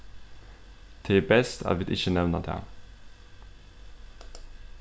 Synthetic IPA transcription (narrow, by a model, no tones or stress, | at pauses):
t̪ʰeːbɛst̪ʰæ̰ːɾʋɪd̪ɪçənɛʋnəd̪ḛ